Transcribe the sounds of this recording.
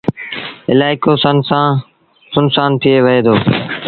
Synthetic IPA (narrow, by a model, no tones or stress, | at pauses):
ɪlaːɪkoːsənsãː | sʊnsaːnt̪ʰɪeːʋəɦeːd̪oː